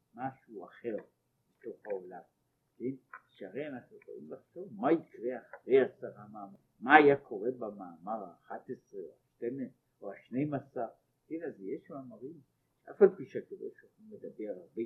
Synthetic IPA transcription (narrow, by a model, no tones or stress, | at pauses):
maʃuaχe̞ʁ | beto̞χaolam | kenʃeaʁejanaχnuʁo̰ʔimbaχt̪ovmaikʁeaχaʁejasaʁamaːma | maːjakʰo̞ʁebamaːmaʁaːχat̪esʁeoaʃteme | oaʃne̞jmasaʁ | kenazjeʃmaːmaʁim | ʃeʔafalpiʃeakeʁḛʃaχimle̞d̪abe̞ʁaʁbe